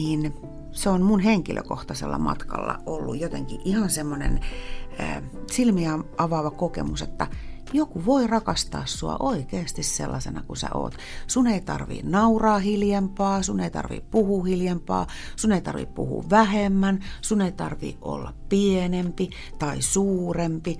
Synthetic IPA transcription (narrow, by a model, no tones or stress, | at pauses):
niːn | seonmunheŋkilʔø̰koht̪ɑsḛlːɑ̰mɑ̰t̪kɑ̰lːɑ̰ʔolːṵjjot̪eŋkiʔʔihɑnsemːonḛnə̰ːsilmiɑɑʋɑʋɑkokḛmuset̪ːæ | jokuʋoirɑkɑst̪ɑ̰ːssuɑ̰ʔoikeːst̪isselːɑsenɑkusæ̰ʔo̰ːt̪ | suneit̪ɑ̰rʋḭːnnɑurɑːhiljɑmpɑːsuneit̪ɑ̰rʋḭːppuhuːhiljɑmpɑ̰ː | suneit̪ɑ̰rʋḭppṵhṵːʋʋæhemːænsuneit̪ɑrʋḭːʔʔo̰lːɑppienempi | t̪ɑisuːrempi